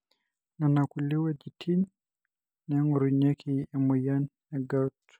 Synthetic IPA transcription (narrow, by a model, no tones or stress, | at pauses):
nanakuliwad͡ʒitʰin | nɛŋɔɾuɲakiɛmɔjan | ɛɡat